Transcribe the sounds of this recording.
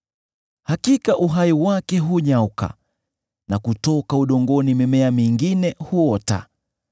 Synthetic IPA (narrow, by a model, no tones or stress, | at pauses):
hakikaʔuɦaiwakɛɦuɲauka̰ | nakutɔkauɗɔŋɡɔnimɛmɛamiŋɡinɛhuɔta̰